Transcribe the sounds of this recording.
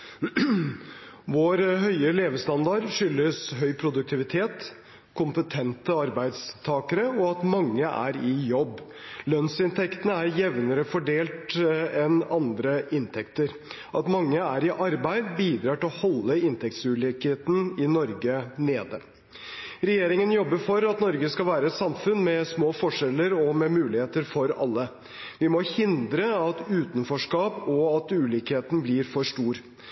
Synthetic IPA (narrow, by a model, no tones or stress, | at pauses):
ʋoːɾɦœʏəleːʋəst̪ɑnd̪ɑɾʂʏlːəsɦœʏpʰɾʊd̪ʉk̚t̪ʰɪʋɪt̪ʰeːt̪ | kʰʊmpət̪ʰɛnt̪əɑɾbæɪd̪st̪ʰɑːkəɾəɔɑt̪mɑŋːəʔæ̰ɾɪjɔbː | lœnsɪnt̪ʰɛkt̪ənəæɾjɛʋnəɾəfɔɖeːlt̪ɛnɑnd̪ɾəʔɪnt̪ʰɛkt̪əɾ | ʔɑt̪mɑŋːəæɾɪʔɑɾbæɪd̪biːd̪ɾɑːʈɪlɔhɔlːəɪnt̪ʰɛk̚t̪sʉːlikheːt̪nɪnɔɾɡəneːd̪ə | ɾɛjeːɾɪŋənjɔbːəɾfɔɾɑt̪nɔɾɡəskɑlʋæːɾəɛt̪sɑmfʉnmɛsmoːfɔʂɛlːəɾɔmɛmʉːlɪheːt̪əɾfɔɾɑ̰lːə | ʋɪmɔhɪnd̪ɾəɑt̪ʉːt̪n̩fɔʂkɑːpɔɑt̪ʉːliːkheːt̪n̩blɪɾfɔʂʈuːɾ